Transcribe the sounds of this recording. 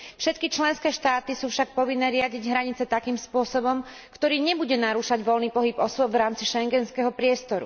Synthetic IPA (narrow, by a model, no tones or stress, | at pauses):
fʃɛt̪kit͡ʃlɛnskɛːʃt̪aːt̪isuːfʃak̚pɔʋinːɛːɾɪaɟiɟɦɾaɲit͡sɛt̪akiːmspʊɔsɔbɔm | kt̪ɔɾiːɲɛbuɟɛnaɾuːʃaɟʋɔlniːpɔɦibɔsʊɔbvɾaːmt͡siʃɛŋɡɛnskɛɦɔpɾɪɛst̪ɔɾṵ